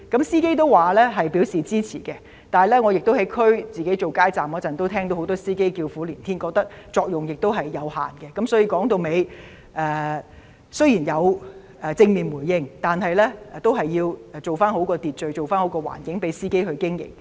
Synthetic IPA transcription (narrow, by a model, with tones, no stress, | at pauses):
kɐ˨˥msiː˥ke˥jt̪̬o˥wwaː˨˩lɛː˥ɦɐ˨jpiː˨˥wsiː˨t͡siː˥t͡sʰiː˨˩kɛ˧ | t̪aː˨jlɛː˥ŋɔː˨˧jɪ˨k̚t̪o˥wɦɐ˨˥jkʰɵ˥ɥt͡siː˨ke˨˥jt͡so˨wkaː˥jt͡saː˨mɔ˨˧t͡sɐ˨nt̪o˥wt̪ʰɛː˥ŋo˧who˨˥wt̪ɔː˥siː˥ke˥jkiː˧wfuː˨˥liː˨˩nt̪ʰiː˥nkɔː˧k̚t̪ɐ˥k̚t͡ʃɔː˧k̚jʊ˨ŋjɪ˨k̚t̪wɦɐ˨jːɐ˨˧wha̰ː˨˩nkɛ˧kɐ˨˥msɔː˨˥jiː˧kɔː˨˥ŋt̪o˧wme˨˧j | ʔɛː˨˧ | sɵ˥ɥjiː˨˩njɐ˨˧w | ɛ˨t͡sɪ˧ŋmiː˨˩nmuː˨˩jːɪ˧ŋt̪aː˨nɦɐ˨jlɛː˥ɛ˧t̪o˥wɦɐ˨jːiː˧wɛ˨t͡so˨wfaː˥nɦo˨˥wkɔː˧t̪iː˨t̚t͡ʃɵ˨ɥt͡so˨wfaː˥nho˨˧˥wkɔː˧wa̰ː˨˩nkɪ˨˥ŋpe˨˥jsiː˥ke˥jɦɵ˧ɥkɪ˥ŋjɪ̰˨˩k̚